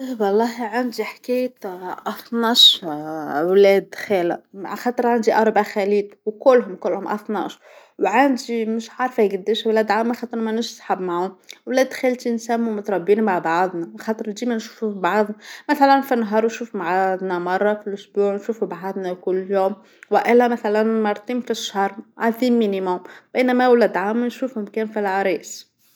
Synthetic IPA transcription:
wɑlˤːɑːɦiʕand̪iħkæːjt̪ʔɑθˤnɑʃ | wlɛːd̪xæːla̰ʕaxɑːt̪ˤɨɾˤʕand̪iʔɑɾˤbʕaxæliːt̪wkʊlːɦʊmkʊlːhʊmʔɑ̰θˤnɑ̰ʃ | wʕand̪imɪʃʕaɾˤfæɡɪd̪ːeʃwlæːd̪ʕamaxɑːt̪ˤɨɾmænɪʃsˤħabmaʕʊnwlɛd̪t̪xælt̪insæmːumʊt̪ɾˤɑbːiːnmaʕbɑʕðˤnɑxɑːt̪ˤɨɾd̪iːmɛnʃu̥ːfufibɑʕðˤʊmæθælænfinɦɑːɾˤwnʃuːfumaʕad̪ˤnɑmɑrˤːɑfilʔʊsbuːʕnʃuːfubʕad̪ˤnækʊlːjuːm | wʔɪlːæmæθælænmɑɾˤt̪ˤiːmfiʃhɑɾˤʕaðiːmːinimʊmb̥æjnæmæwlæd̪ʕamːnʃuːfhʊmkæːnfilʕaɾiːs

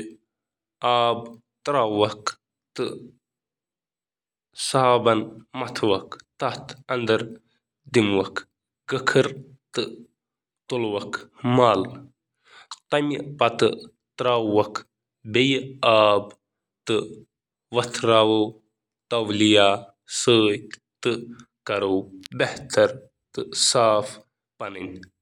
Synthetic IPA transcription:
aːb | t̪ɾaːɐk | t̪ɨ | sɐɦaːbɐnmɐt̪ʰwɐkt̪ɐt̪ɐnd̪ɐɾ | d̪imwɐkʰ | ɡɐkʰɐɾ | t̪ɨ | t̪olwɐkʰmaːl | t̪ɐmpɐt̪ɨ | t̪ɾaːwːɐkʰ | bejaːb | t̪ɨ | ʋɐt̪ʰɾaːwo | t̪ɐʋlijaː | səːjt̪ɨ | kɐɾoːbeht̪ʰɐɾ | t̪ɨsaːf | pɐnɨnʲ

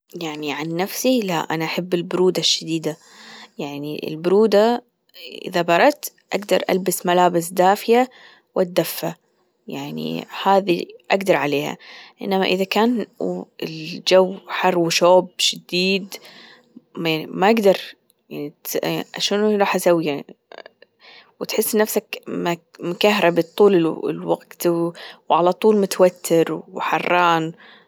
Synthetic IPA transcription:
jaʕniʕanːafsila̰ʔanaʔaħabːɪlbʊɾuːd̪aʃːad̪iːd̪a | jaʕnḭʔɪ̰lbʊɾuːd̪a | ʔɪ̰ðabɑɾˤɑt̪ | ʔaɡd̪ɑɾˤʔa̰lbɪsmalaːbɪsd̪aːfɪja | wʔat̪̚d̪ːafːa | jaʕnḭhaːðiʔaɡd̪ɑɾˤʕaleːha̰ʔɪ̰nːamaʔɪðakaːnɪld͡ʒawːħɑrˤːwɪʃoːbʃɪd̪iːd̪ | maimaʔaɡd̪ɑɾˤ | jaʕnit̪aʃanɾˤɑːħʔasawja | wɪt̪ħɪsːnafsakmmʊkahɾˤabɪt̪ˤːuːlɪ̰lwa̰ɡ̚t̪wwʕalat̪ˤuːlmʊt̪awat̪ʰːɪɾwħɑrˤːɑːn

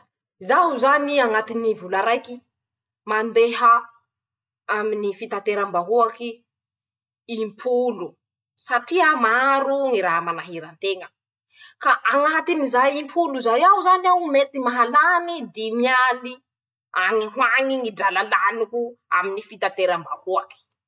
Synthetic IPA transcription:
zaɦuzaniaŋat̪inivulaɾajki | mand̪eɦə | aminifit̪ant̪eɾambaɦuaki | mpʰulu | saʈ͡ʂiamaɾuŋiɾaɦamanaɦiɾant̪eŋə | kaʔaŋat̪inizajimpʰuluzajawzanawmet̪imaɦalanid̪imiali | aŋiɦwaŋiŋiɖ͡ʐalalanikua̰minifit̪at̪eɾambahuaki̥

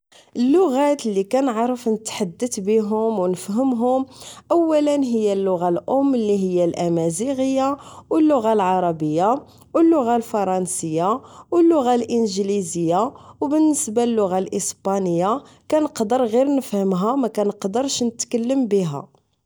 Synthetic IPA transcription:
ʔəlːʊɣæt̪əlːikænəʕɾˤəfnət̪ħad̪ːət̪biɦʊmwnəfɦəmɦʊmʔəwːælənɦəjːælːʊɣalʔʊmːlːiɦəjːælʔæmæziɣəjːawəlːʊɣalʕɑɾˤɑbəjːa | wəlːʊɣalfɑɾˤɑnsəjːawəlːʊɣalʔənʒlizəjːawbənːəsbalːʊɣalʔəsbɑnəjːa | kænəqd̪əɾɣiɾnəfhəmɦæmækænəqd̪əɾʃnət̪kəlːəmbəɦæ̰

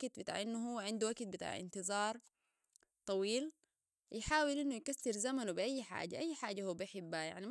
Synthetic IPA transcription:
ɡt̪̚bɪt̪a̰ːʕʔɪnːuɦuwːaʕɪnd̪uwaɡt̪̚bɪt̪a̰ːʕʔɪ̰nt̪ɨzˤɑːɾˤ | t̪ˤɑwiːl | jɪħaːwɪlʔinːujkasːɪɾzamanubɪʔajːħa̰ːd͡ʒaʔajːħaːd͡ʒːahuːbʔaħɪbːaja̰ʕni

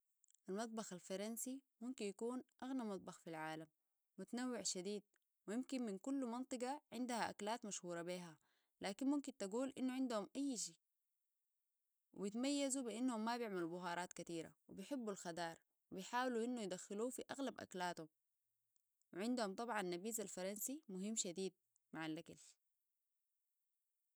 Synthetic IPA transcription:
ʔalmɑt̪̚ˤbɑxalfɑɾˤɑnsimumkinjakuːnʔaɣnamɑt̪̚ˤbɑxfilʕaːlamː | ut̪anawːɪʕʃad̪iːd̪̚ | wijimkinminkulːmɑnt̪ˤɨɡɑʕɪnd̪ahaʔa̰kalaːt̪maʃhuːɾˤɑbeːɦa | laːkinmumkint̪aɡuːlʔinːuʕɪnd̪uhumʔajːʃiː | wḭbit̪majːazubiʔanːhumːabjɪʕmalubʊɦɑːɾˤɑːt̪kat̪iːɾa̰wḭbijħɪbːulxad̪ɑːɾˤ | wibijħaːwluʔinːujd̪axːiluːfiʔaɣlabʔa̰klaːt̪hum | wiʕɪnd̪humt̪ˤɑbʕɑnːabiːzalfɑɾˤɑnsimʊɦimːʃad̪iːd̪̚ | maʕalʔakal

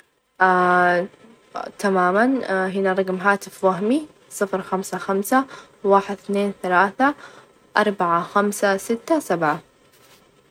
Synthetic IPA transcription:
ʔa | t̪amaːmanɦɪnaɾˤɑɡmɦaːt̪ɪfwaɦmi | sˤɨfɾxamsaxamsa | waːħɪd̪θneːnθalaːθa | ʔɑɾˤbaʕaxamsasɪt̪ːasabʕa

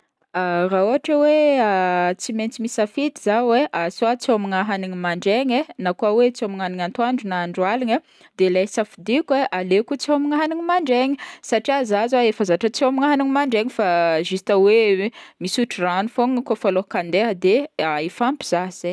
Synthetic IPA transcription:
arauaʈ͡ʂaweat͡siment͡simisafit̪izaweasoat͡sioamiŋaɦaniŋimaɳɖ͡ʐeɲenakuawet͡siamiŋaɦniŋant̪uaɳɖ͡ʐunaɳɖ͡ʐualiɲa | d̪elajsafid̪ikueʔalekut͡sowmiŋaɦaniŋimaɳɖ͡ʐeɲisaʈ͡ʂiazazaefəzaʈ͡ʂət͡somiŋaɦaniŋmaɳɖ͡ʐeŋifaʒist̪awemisuʈ͡ʂiranufoŋkofalokand̪eɦəd̪eaifampiz̥aze

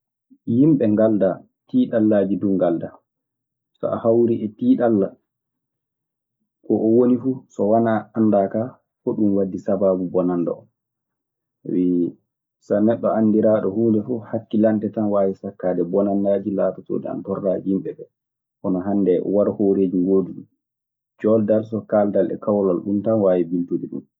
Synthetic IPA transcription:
jimɓɛŋɡalda | tiːɗalːaːd͡ʒiduŋɡalda | sɔ̰ʔa̰hawɾiʔɛtiːɗalːa | kɔʔɔwonifuːsɔwanaanːdaka | kɔɗumwadːisabaːbubɔnandɔ̰ɔ̰m | wi | sanɛɗːɔanːdiɾaːɗɔhuːndɛfɔhakːilantɛtanwaːwisakːaːdɛbɔnandaːd͡ʒilaːtato̰ːɗḭa̰ntɔrːahimɓɛbɛ | ʔɔnɔɦandɛwaɾhoɾeːd͡ʒiŋɡoːduɗum | d͡ʒɔldaɾsɔkaːldalɛ̰kawlalɗumtanwaːwibiltudiɗṵm

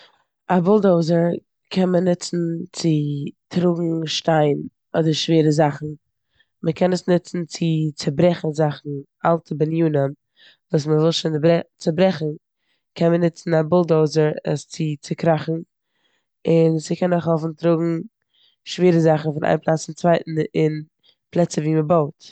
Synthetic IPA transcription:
abʊlˠdoʊzəɾ | kʰɛnmənɪt͡sn̩t͡sɪtʰɾʊɡŋ̩ʃtaɪn | ɔdəɾʃveːɾəzaχn̩ | məkʰɛnəsnɪt͡sn̩t͡sɪt͡səbɾɛχn̩zaχn̩ | alˠtʰəbɪnjuːnəm | vuːs̬məvɪlˠʃonbɛt͡səbɾɛχn̩ | kʰɛnmənɪt͡sn̩abʊlˠdoʊzəɾəst͡sɪt͡sɪkɾaχn̩ | ɪnsɪkʰɛnɔχhɔfn̩tɾʊɡŋ̩ | ʃveːɾəzaχn̩fɪnʔa̰ɪnplˠaːt͡sɪnt͡svaɪtn̩ɪn | plˠɛt͡səviːməbaʊt

